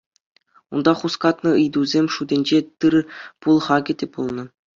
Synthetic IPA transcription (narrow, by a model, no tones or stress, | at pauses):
und̪ɑχuskɑt̪nɤ̆ɯ̆jd̪uzʲemʲʂudʲenʲd͡ʑet̪ɯrpulˠχɑɡʲɘ̆tʲep̚pulˠnɤ̆